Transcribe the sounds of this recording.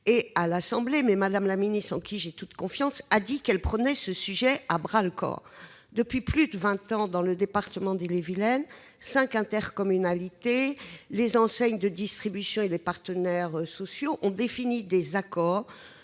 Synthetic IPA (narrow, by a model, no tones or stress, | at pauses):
ealasɑ̃blemɛmad̪amlaminist̪χɑ̃kʲʰiʒet̪ut̪kɔ̃fjɑ̃sad̪ikɛlpχənɛsəsyʒɛabʁalkɔ̰ʁ | d̪əpɥiplyd̪əvɛ̃t̪ɑ̃d̪ɑ̃ləd̪epaʁt̪əmɑ̃d̪elevilɛn | sɛ̃kɛ̃t̪ɛʁkɔmynalit̪elezɑ̃sɛɲd̪əd̪ist̪χibysjɔ̃elepaʁt̪ənɛʁsɔsjoʔɔ̃d̪efinid̪ezakɔːʁ